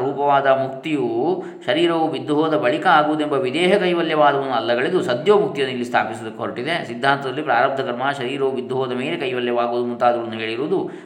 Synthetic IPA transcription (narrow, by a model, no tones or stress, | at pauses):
ɾuːpɐʋaːd̪ɐmuk̚t̪iju | ʃɐɾiːɾɐʋubid̪ːuɦɔːd̪ɐbɐɭikɐaːɡuʋud̪uembɐʋid̪ɛːɦɐkɐjʋɐljɐʋaːd̪ɐʋɐnːuɐlːɐɡɐɭid̪usɐd̪joːmuk̚t̪ijɐnːuilːist̪ʰa̰ːpisɐd̪ɐkːɦoɾɐʈid̪e̞sid̪ʱːaːnt̪ɐd̪ɐlːipɾaːɾɐb̚d̪ɐkɐɾmɐʃɐɾiːɾɐʋubid̪ːuɦɔːd̪ɐmeːlekɐjʋɐljɐʋaːɡuʋːd̪umunt̪aːd̪ɐʋɐnːuɦeːɭiɾuːd̪u